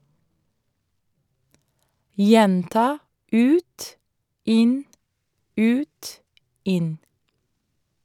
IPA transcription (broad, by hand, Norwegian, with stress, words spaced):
ˈjɛntɑː ˈʉːt ˈɪn ˈʉːt ˈɪn